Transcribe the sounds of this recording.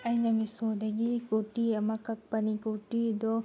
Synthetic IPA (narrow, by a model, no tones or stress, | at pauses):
ɐjnɐmisod̪ɐɡikoʈiɐmɐkɐk̚pɐnikoʈid̪ɔ